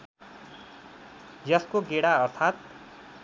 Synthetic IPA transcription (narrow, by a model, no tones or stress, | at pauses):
jʌskoɡeɽaʌrt̪ʰat̪̚